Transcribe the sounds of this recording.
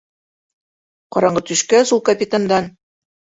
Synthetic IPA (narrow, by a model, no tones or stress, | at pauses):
qɒɾɑɴɢɤt̪ɵ̆ʃkæsulˠkɐpʲɪt̪and̪ɑn